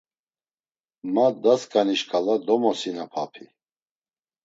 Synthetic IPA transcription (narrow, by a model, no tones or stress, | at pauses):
mad̪askʼaniʃkʼalad̪ɔmɔsinapʰapʰi